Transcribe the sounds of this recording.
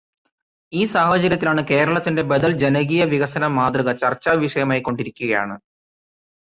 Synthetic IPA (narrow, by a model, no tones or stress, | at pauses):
iːsaːhɐt͡ɕɐɾjɐt̪ːilaːɳɨke̞ːɾɐɭɐt̪ːinde̞bed̪ɐld͡ʑenɐɣijɐʋiɣɐsɐnɐmːaːd̪rɨɣɐt͡ɕɐrt͡ɕːaːʋiʂɐjɐmaːjikːo̞ɳɖiɾikʲːuɣɐja̰ːɳɨ